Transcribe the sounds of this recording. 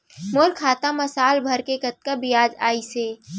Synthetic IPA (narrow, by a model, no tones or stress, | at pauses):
moːɾkʰaːt̪ãmɐsaːlbʱɐɾkekɐt̪̚kabɪjaːd͡ʒa̰ːiseː